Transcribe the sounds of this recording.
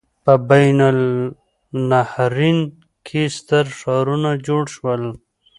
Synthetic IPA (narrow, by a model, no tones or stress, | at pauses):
pəbajnal | nahɾin | kʰest̪əɾʂɑɾunad͡ʒoɽʃwəl